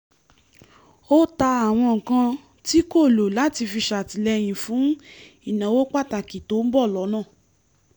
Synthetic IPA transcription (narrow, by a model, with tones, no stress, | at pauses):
o˦ta˧a˨w̃ɔ̃˧ŋ̩˨kã˧ | ti˦ko˦˨lo˨la˨˦ti˧fi˧ʃa˨ti˨lɛ˧j̃ĩ˨fũ˨˦i˨nã˨˦wo˦k͡pa˦˨ta˨ki˨to˨˦m̩˦bɔ˦˨lɔ˨˦nãː˦˨